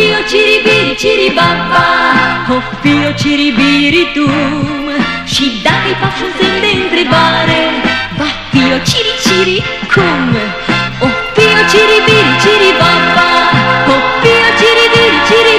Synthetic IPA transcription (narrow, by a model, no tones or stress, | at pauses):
iot͡ʃiɾibiɾit͡ʃiɾibabahofiot͡ʃiɾibiɾit̪u | ʃid̪akajpaʃũnsend̪ent̪ɾɪbaɾebafiot͡ʃiɾit͡ʃiɾi | kʰoŋ | ofiot͡ʃiɾibiɾit͡ʃiɾibabaofiot͡ʃiɾibiɾit͡ʃiɾi